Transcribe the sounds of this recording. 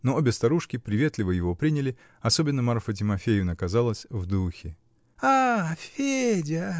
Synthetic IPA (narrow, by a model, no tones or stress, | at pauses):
noobʲɪst̪ɐɾuʂkʲɪpɾʲɪvʲe̞t̪lʲɪvəjɪvo̞pɾʲinʲɪlʲɪ | ɐsobʲɪnːəmɐrfət̬ʲɪmɐfʲejʊnəkɐzalˠəsʲvd̪uxʲɪ | afʲedʲə